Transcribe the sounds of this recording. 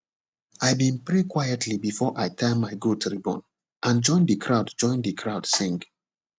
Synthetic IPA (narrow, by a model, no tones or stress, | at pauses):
ajbĩnpɹekwajətʰlibifɔʔajtʰɛ̃maɪɡutɹibɔ̰̃n | ʔãnd͡ʒɔ̃ɪ̃ndəkʰɹaʊdd͡ʒɔ̃ɪ̃nðɨkʰɹaʊd̥sĩŋɡ